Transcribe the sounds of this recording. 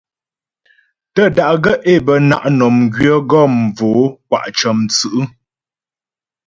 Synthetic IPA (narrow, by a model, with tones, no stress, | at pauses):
tə˦˨da˨ʔɡə˦ʔe˦˨bə˨na̰˨ʔnɔ˨mɡɥə˦ɡɔ˦˨m˨voː˨˦k̚wa̰˨ʔt͡ʃə˨mt͡sɨ˨ʔɨ˦